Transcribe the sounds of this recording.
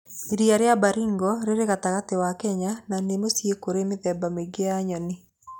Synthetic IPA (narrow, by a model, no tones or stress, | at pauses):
ɾiaɾeabaɾiŋɡɔɾeɾeɣataɣatɪwakɛɲananemosjekoɾemɪðɛbameɡeaɲɔnɪ